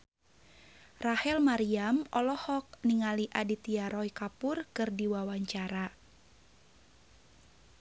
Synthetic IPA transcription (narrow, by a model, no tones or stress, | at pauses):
rahɛlmaɾiamʔɔlɔhɔk̚niŋaliʔadit̪iaɾɔjkapʊrkɨrdiwawaɲt͡ʃaɾa